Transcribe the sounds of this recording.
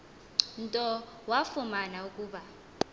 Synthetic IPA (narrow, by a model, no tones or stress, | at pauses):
ntʼɔwafumanaukʼuːɓa